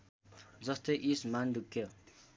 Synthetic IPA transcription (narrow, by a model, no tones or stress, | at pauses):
d͡zʌst̪ʌjʔismand̪ukʰːjʌ